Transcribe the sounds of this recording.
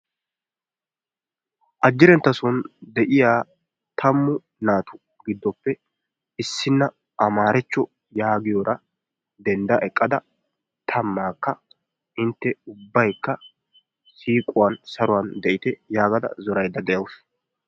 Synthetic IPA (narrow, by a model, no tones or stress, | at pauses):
ʔɐd͡ʒːɪɾɛnt̪ːɐsɔnd̪ɛʔɪjaː | t̪ʰɐmːʊ | naːt̪ʊ | ɡɪd̪ːɔpːɛ | ɪsːɪnːɐ | ʔɐmaːɾɛt͡ʃːɔ | jaːɡɪjɔɾɐ | d̪ɛnd̪ɐʔɛkʼːɐd̪ɐ | t̪ʰɐmːaːkːɐ | ɪnt̪ːɛʊbːɐjkːɐ | siːkʼʊwansɐɾʊwɐnd̪ɛʔɪt̪ɛjaːɡɐd̪ɐ̰zɔɾɐjd̪ːɐd̪ɛjɐwʊs